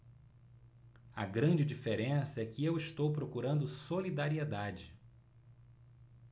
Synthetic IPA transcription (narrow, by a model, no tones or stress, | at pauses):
ɐ̰ɡɾɐ̃d͡ʒɪd͡ʒifeɾẽsɐɛkɪewiʃt̪owpɾokuɾɐ̃nd̪ʊsolid̪aɾied̪ad͡ʒɪ